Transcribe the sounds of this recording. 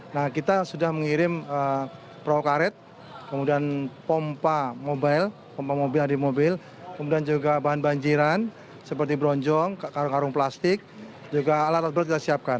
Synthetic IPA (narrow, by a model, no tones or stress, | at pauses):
nahkit̪asudahməŋiɾɪmə | pɾawkaɾɛt̪̚ | kəmudianpɔmpamobajl | pɔmpamobɪladimobɪl | kəmudiand͡ʒuɡabaɦanbaɲd͡ʒiɾan | səpərt̪ibɾɔɲd͡ʒɔŋkakaɾʊŋkaɾʊŋplast̪ɪk̚ | d͡ʒuɡaːlat̪at̪̚bəɾat̪̚kit̪asiap̚kan